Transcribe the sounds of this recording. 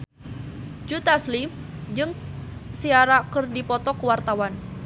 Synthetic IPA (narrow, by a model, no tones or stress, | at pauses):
d͡ʒut̪aslim | d͡ʒɨŋsiaɾakərdipɔt̪ɔkəwart̪awan